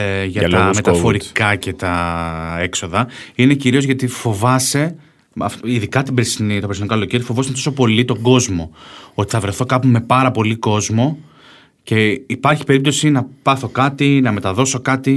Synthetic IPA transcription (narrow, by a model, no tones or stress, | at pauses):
ʝɐlt̪ɐme̞t̪ɐfo̞ɾikɐce̞t̪ɐe̞kso̞ðɐine̞ciɾio̞zʝɐt̪ifo̞vɐse̞ | ɐfiðikɐt̪ibɾesinit̪ɐpɾsinikɐloceɾijfo̞voset̪o̞sopo̞lit̪o̞ɡo̞zmo̞ot̪i̥θɐvɾe̞θo̞kɐpume̞pɐɾɐpo̞liko̞zmo̞ | ce̞ipɐɾçi̥pe̞ɾip̚t̪o̞sinɐpɐθo̞kɐt̪inɐme̞t̪ɐðo̞so̞kɐt̪i